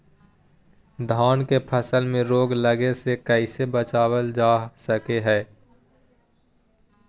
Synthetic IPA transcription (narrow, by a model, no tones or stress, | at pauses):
d̪ʱaːnkepʰəsəlmẽɾoːɡləɡesekəɪsebət͡ʃaːwəld͡ʒaːsəkeɦɛː